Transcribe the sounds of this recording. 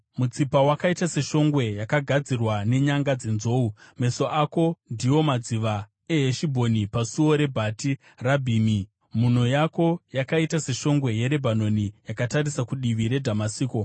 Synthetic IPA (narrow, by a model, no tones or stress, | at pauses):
mut͡sipawakaitase̞ʃo̞ŋɡwe̞jakaɡʱad͡zirwane̞ɲaŋɡad͡ze̞nzo̞ːume̞so̞ʔako̞ndiwo̞mad͡ziʋa | e̞ɦeʃibʱo̞nipasuo̞ɾe̞bʱati | rabʱiːmi | mun̤o̞jako̞jakaitase̞ʃo̞ŋɡwe̞je̞ɾe̞bʱano̞nijakataɾisakuɗiʋiɾe̞dʱamasiːko